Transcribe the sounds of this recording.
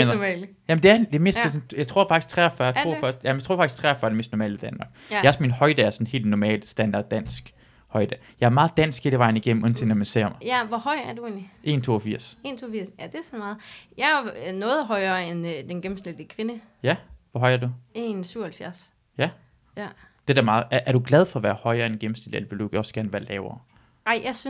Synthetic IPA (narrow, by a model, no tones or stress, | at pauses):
mɛ̰ːljæmnd̥e̝æd̥e̝me̝ːsdd̥esnjɑɪt͡sʰʁo̝ɐ̰fɑ̈ɡ̥ist͡sʰʁɛɒfɶɐjɑt͡sʰo̝ɐfɶɐjæmnjɪt͡sʰo̝̰fɑ̥i̥st͡sʰʁɛɒfɶːɐdeme̝ːsd̥nɔmɛ̰ːləid̥ænmɑ̈ːɡ̥jæɒ̽sminhɒ̽ɪd̥ɛæɐsɒ̽n̩he̝̰ːld̥nɒmɛ̰ːləsd̥ænd̥ɑ̈d̥ːæn̰sɡ̥ | hɒ̽ɪ̰d̥ɛjɑ̈æɐmɑ̈ːð̞̩ˠd̥æn̰sɡ̥heːl̥əʋɑ̈ɪn̩iɡ̥em̰m̩on̩t͡sʰenɒmænsḛɐɒmɐjæʋɒhɒɪ̰æɐd̥ue̝̰ːnliʔe̝̰ːnt͡sʰo̝̰ːɒfiɐ̰se̝ːnt͡sʰo̝ːfiɐsjæd̥e̝sɒmɑ̈ːð̩ˠjɑ̈ɪænɔ̽ːð̞ˠɦɒ̽ɪɐːend̥enɡ̥em̩sd̥eld̥əkʰʋe̝nə | jæʋɒɦɒ̽ɪɐɐd̥uensyʊ̰ɐhælfjæɐs | jæ | d̥e̝d̥æɐmɑ̈ːð̩ˠæʔæɐɾ̥uɡ̥læð̞ˠfɒ̽ɒʋæːɐhɒ̽ɪɐendenɡ̥em̩seldḛlʋe̝ld̥uɒ̽sɡ̥æɐnʋæɐlɛːʊɐː | ɑ̈ɪ̰jʔɑɪsy